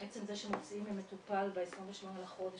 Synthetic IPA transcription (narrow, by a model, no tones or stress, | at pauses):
et͡semzeʃemot͡siimimet̪upalveesʁinveʃmonelaχo̞de